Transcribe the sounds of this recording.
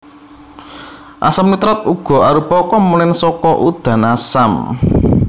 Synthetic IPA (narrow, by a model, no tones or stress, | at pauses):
ʔa̰samnut̪ɾɔt̪̚uɡ̥ɔ̤aɾupɔkɔmunɪnsɔkɔʔud̪̥ä̤nasam